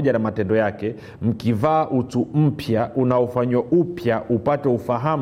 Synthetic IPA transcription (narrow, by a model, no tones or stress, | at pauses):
ʄanamatɛndɔjakɛ | m̩kivaːʔutum̩pʰjaʔunaɔfaɲwaʔupjaʔupatɛufaɦa